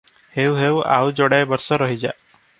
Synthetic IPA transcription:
hewɦewa̰wd͡ʒɔɽajbɔɾsɔɾɔɦid͡ʒa

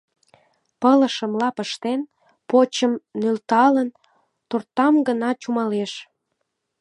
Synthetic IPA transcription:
pələʃəmlɑpəʃt̪en | pot͡ɕəmnølt̪ɑlən | t̪ort̪ɑmɡənɑt͡ɕumɑleʃ

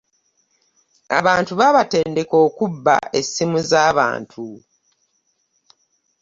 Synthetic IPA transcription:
a̰βaːntuβaβate̞ːnde̞ko̞ːkubːa̰e̞sːimuzaːβa̰ːntʰu

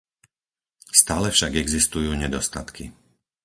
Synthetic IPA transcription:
st̪aːlɛfʃaɡɛɡzist̪ujuːɲɛd̪ɔst̪at̪kʰi

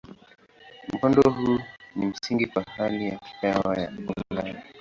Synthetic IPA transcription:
m̩ɔndɔɦuːnim̩siŋɡikwahalijaki̥tawaja̰ullani

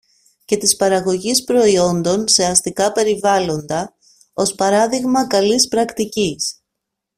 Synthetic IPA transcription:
ce̞t̪ispɐɾɐɣo̞ʝispɾo̞io̞nd̪o̞nse̞ɐst̪ikɐpe̞ɾivɐlo̞nd̪ɐ | o̞spɐɾɐðiɣmɐkɐlispɾɐkt̪icis

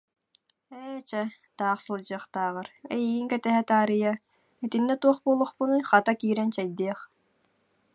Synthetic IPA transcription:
ɛt͡ɕɛ | t̪aːχsɯlˠd͡ʑɯɐχt̪aːʁaɾɛ̰jiɡiŋkɛt̪ɛɦɛt̪aːɾɯja | ɛt̪inːɛt̪uɔχbuːlˠuχpunɯχat̪akiːɾɛnt͡ɕɛjd̪iːχ

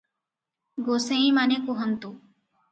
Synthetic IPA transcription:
ɡosẽĩmanekuɦənt̪u

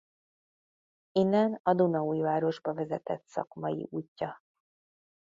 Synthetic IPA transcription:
inːɛnɒd̪unɒuːjvaːɾo̞ʒbɒvɛzɛt̪ɛt̪sɒ̰kmɒjḭʔuːcːɒ

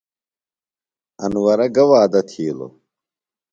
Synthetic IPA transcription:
ɐnwɐɾɐɡɐwaːd̪ɐt̪ʰiːlo̰

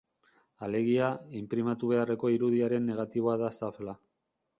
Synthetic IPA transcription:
ale̞ɣ̞iaimpɾimat̪uβ̞e̞are̞ko̞iɾuðiaɾe̞nːe̞ɣ̞at̪iβ̞o̞aðasafla

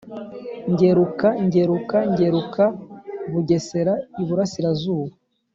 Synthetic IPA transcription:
ɲɟe̞ɾukaɲɟe̞ɾukaɲɟe̞ɾukʰaβuɟe̞se̞ɾaiβuɾasiɾazuːβe

